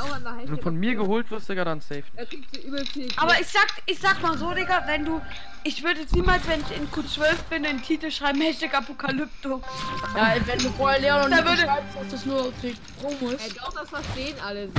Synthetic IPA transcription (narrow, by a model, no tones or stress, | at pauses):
ɛnduːfɔnmiːɐɡəhoːltv̥ɪɐstɪɡadansɛɪfɪuyːbfiʔaːbɐɪçz̥aːkʔɪçz̥aːkmaːzoːdɪɡɐvɛnduː | ʔɪçv̥ʏɐdəɛt͡sniːmaːlsv̥ɛnɪçɪnkʰuːt͡sv̥œlfb̥ɪnantʰiːtl̩ʃʁ̥aɪbm̩hɛʃtɪkapokʰalʏp̚tojavɛnduːfoɐɐleːɐnɔndaːvɐdəʁaɪbstd̥asd̥usnuːɐtek | ʁʊsɛaʊxd̥asfaʃteːnaləs